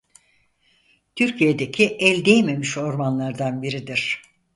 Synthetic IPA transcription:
t̪ʰyɾcʰijed̪e̞cʰiʔɛlʲd̪ejme̞miʃo̞ɾmanlˠaɾd̪anbiɾid̪iɾ̥

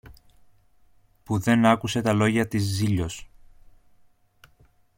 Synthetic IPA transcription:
puðe̞nɐkuse̞t̪ɐlo̞ʝɐt̪izːiʎo̞s

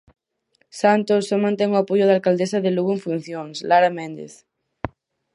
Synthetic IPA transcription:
sant̪osːomãnt̪eŋoapoʝoð̞alkald̪esaðeluɣoeɱfun̟θjoŋslaɾamẽnd̪ḛθ

